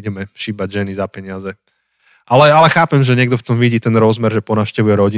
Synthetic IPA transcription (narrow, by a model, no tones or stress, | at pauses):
ɟɛmɛʃiːbaɟʒɛnizapɛɲɪazɛ | ʔalɛalɛxaːpɛmʒɛɲɪɛɡ̚d̪ɔft̪ɔmʋiɟiːt̪ɛnɾɔzmɛɾʒɛpɔnaːʊʃcɛʋujɛɾɔɟi